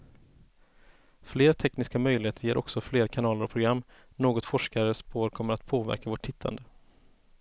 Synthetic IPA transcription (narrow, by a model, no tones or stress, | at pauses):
fleːɾt̪ʰɛknɪskamœjlɪheːt̪əɾjeːɾʔɔ̰ksɔfleːɾkʰanɑːləɾɔpʰɾʊɡɾamː | noːɡɔt̪fɔʂkaɾəspoːɾkʰɔmːəɾat̪pʰoːvæ̰ɾkavoʈʰːɪt̪ʰːa̰nd̪ə